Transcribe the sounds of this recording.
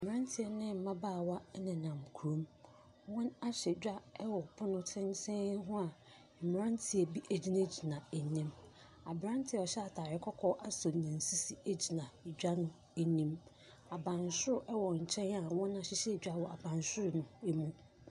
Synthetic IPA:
m˨ã˦n˦tʰɪ˨ɛ˨nɪ̃˦˨m̩˨˦mã˦baː˦˨wa˦nɪ̃˨nã˨mkʰu˨ɾõ˦m | wɔ̃˦na˦ɕɛ˨d͡ʑᶣa˦ɛ˦wɔ˨pʰʊ˦nʊ̃˦tʰɪ̃˦n˦tʰɪ̃˦ɦʊ̃˦a˨ | m̩˨m˨ɾã˦ntʰɪ˨ɛ˨bi˦ʔe˦d͡ʑi˦nã˦d͡ʑi˨nã˨e˨nĩ˦m | a˨bɾã˦n˦tʰɪ˨˦ɛ˨ɔ˨ɕɛ˦a˨tʰaː˨ɾɪ˦kʰɔ˦kʰɔ˦ʔa˨so˨nɪ̃˨n̩˨si˦si˨e˦d͡ʑi˨nã˨d͡ʑᶣa˦nʊ̃˦ | e˨nĩ˦m | a˨bã˨nsʊ˦ɾʊ˨ʔɛ˦wɔ˨ɲ̩˨t͡ɕʰɛ̃˦na˨wɔ̃˦na˨ɕɪ˦ɕɛ˦˨d͡ʑᶣa˦wɔ˨a˨bã˨nsʊ˦ɾʊ˨nʊ̃˨e˦mũ˦

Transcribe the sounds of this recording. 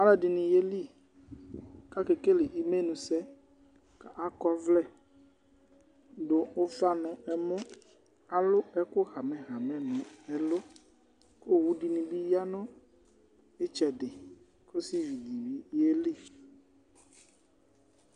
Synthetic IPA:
a˦lɛ˨dɪ˨nĩ˨je˦li˦ | ka˦ke˨ke˦le˨ʔi˦me˦nũ˨sɛ˦ | ka˨ʔa˦kɔ˦vlɛ˦˨ | do˨o˦fa˦nʊ̃˨ɛ˨mʊ̃˦ | a˨lʊ˦ɛ˦kʊ˦ɣa˨mɛ̃˨ɣa˨mɛ̃˨nʊ̃˨ɛ˨lʊ˦ | ko˦˨wu˦di˨nĩ˨bi˦ja˦nɔ̃˦ | e˦t͡ʃɛ˨dɪ˨ | ko˦si˦vi˨di˨vi˦je˦li˦˨

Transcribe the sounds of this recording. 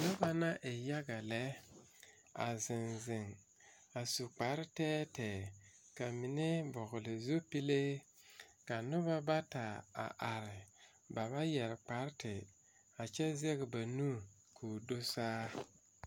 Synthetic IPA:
nʊ˦ba˦na˦ʔe˨ja˦ɡa˨lɛ˦ | a̰˨zɪ˨nzɪ˨ŋ | a˨su˨k͡pa˨˦ɾtɛː˦tɛː˨ | ka˨mɪ˨ne˦bɔ˨ɣʊ˨lɪ˨zu˦pi˦le˦ | ka˨nʊ˦ba˦ba˦ta˨a̰˨ʔa˨ɾɪ˨ | ba˨βa˦jɛ˨ɾk͡pa˨˦ɾtɪ˨ | a˨t͡ʃɛ˦zɛ˦ɡɪ˨ba˨nu˦ | kʰuː˨do˦saː˦

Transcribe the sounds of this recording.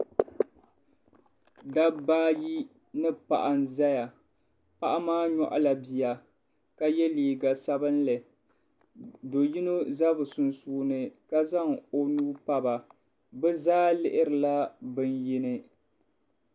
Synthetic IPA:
da˦baː˦ji˦ | nɨ˦pa̰˨ʔa˨nza˦ja˨ | pa˦˨ʔa˦maː˦ɲɔ˦ʔa̰˦la˨bi˨ja˨ | ka˦jɛ˦liː˨ɡa˨sa˦bɨ˦nlɨ˨ | do˨ji˦no˦za˦bɨ˨sʊ˨nsuː˦˨nɨ˨ka˦za˦ŋo˦nuː˦pa˦ba˨ | bɨ˦zaː˦lɪ˦ʔɪ˦ɾɨ˨la˦bɨ˦nji˦nɨ˦

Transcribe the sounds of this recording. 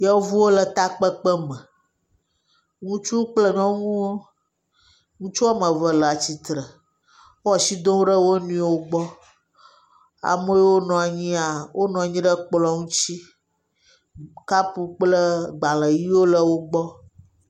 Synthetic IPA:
jɛ˦wo˦vu˦wo˦lə˨t̪a˦k͡pə˦k͡pə˦mə̃˨ | ŋũ˦t͡ʃu˦k͡plə˦nɔ̃˦ŋũ˦wo˦ | ŋũ˦t͡ʃu˦a˦mə̃˨və˨lə˨a˨t͡ɕi˨t̪ɾə˨ | o˦ɔ˨si˦d̪õ˦wo˦ɖə˦wo˦nũ˦e˨wo˦ɡ͡bɔ˦ | a̰˨mo˦jɛ˦wo˦nɔ̃˨a˨ɲĩ˦a˨wʔo˦nɔ̃˨a˨ɲĩ˦ɖə˦k͡plɔ˦ŋũ˦t͡ɕi˦ | ka˦pu˦k͡plə˦ɡ͡ba˨lə˨ji˦wo˦lə˦wo˦ɡ͡bɔ˦

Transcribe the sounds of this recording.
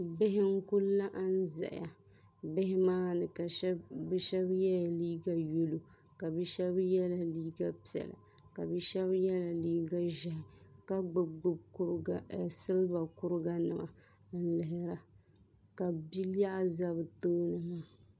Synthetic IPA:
bɪ˦ɦɪ˦ŋ̩˦kʊ˦lːa˦ʔa˦n˦zɛ̰˨ʔja˨ | bɪ˦hɪ˦maː˦nɨ˨ka˨˦bɛ˦ʃɛ˦bjɛ˦ja˨liː˦ɡa˨jo˦lu˨ | ka˨bɛ˦ʃɛ˦bjɛ˦la˨liː˦ɡa˦pi˨ɛ̰˨la̰˨ | ka˨bɛ˦ʃɛ˦βjɛ˦la˨liː˦ɡa˦ʒɪ˨hɪ˨ka˦ɡ͡bʊ˨ɡ͡bɨ˦bsɨ˦lba˨kʊ˦ɾɨ˦ɡa˦nɨ˨ma̰˨˦ | n̩˦lɪ˨ɦɪ˨ɾa˨ | ka˨bi˦la˦ʔa˦za˦bɨ˨toː˦nɨ˨maː˨

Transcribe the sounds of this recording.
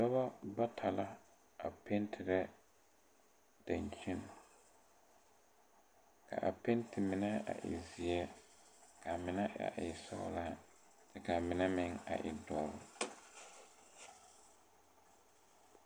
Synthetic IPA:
dɔ˦βa˦ba˦tʰa˨la˦ | a˨pʰe˦ntʰɪ˨ɾɛ˦ | d̥a˨ɲ˨t͡ʃi˦n˨ | kʰa̰˨ʔa̰˨pe˦ntʰɪ˨mɪ˨nɛ˦a̰˨ʔɪ̰˨zi˨ɛ˦ | kʰa˨mɪ˨nɛ˦ʔa̰˨ʔɪ˨sɔ̰˨ʊ˦laː˦ | tɛ˦ka˨mɪ˨nɛ˦mɪ˦ŋa̰˨ʔɪ̰˨dɔː˨ɾʊ˨

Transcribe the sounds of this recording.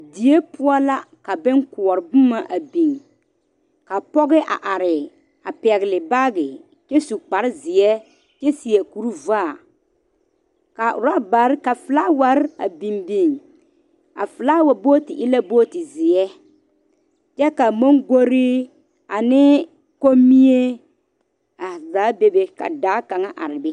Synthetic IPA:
di˨je˦pʊ˦ɔ˦la˦ka˨bɪ˦ŋkʊ˨ɔ˨ɾbʊ˦ma˨ʔa˨bi˨ŋ | ka˨pɔ˦ɣɪ˦ʔa̰˨ʔa˨ɾɪ˨ | a˨pɛ˨ɣɪ˨lɪ˨ba˦ɡɪ˨ | t͡ʃɛ˦su˨k͡pa˨ɾɪ˦zɪ˨ɛ˦ | t͡ʃɛ˦si˨ɛ˨ku˨ɾu˦vaː˦˨ | ka˨ʊ˨ɾa˦ba˨ɾka˨fɨ˨la˦wa˨ɾa˨bi˨mbi˨ŋ | a˨fɪ˨la˦wa˨boː˦tɪ˨ʔɪ˦la˦boː˦tɪ˨zɪ˨ɛ˦ | t͡ʃɛ˦ka˨mo˦ŋɡo˦ɾɪ˦ | ka˨nɪ˦ | ko˦mi˦e˦ | a˨zaː˨˦be˦be˦ka̰˨daː˨˦ka˨ŋa˦ʔa̰˨ɾɪ˨bɛ˦

